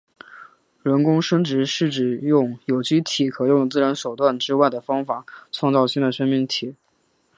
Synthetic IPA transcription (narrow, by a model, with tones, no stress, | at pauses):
ɻə˧˥nkʊ˥ŋʂə˥nʈ͡ʂɻ̩˧˥ʂɻ̩˥˩ʈ͡ʂɻ̩˨˩jʊ˥˩ŋjo˨˩ʊt͡ɕy˥t̪ʰi˨˩kʰɤ˨˩jʊ˥˩ŋt͡sɹ̩˥˩ɻə˧˥nʂo˨˩ʊt̪wa˥˩nʈ͡ʂɻ̩˥wa˥˩ɪd̪ə˩fɑ˥ŋfa˨˩˦t͡sʰwɑ˥˧ŋt͡sɑ˥˧ʊɕi˥ŋd̪ə˨˩ʂə˥nmi˥˩ŋt̪ʰi˨˩˦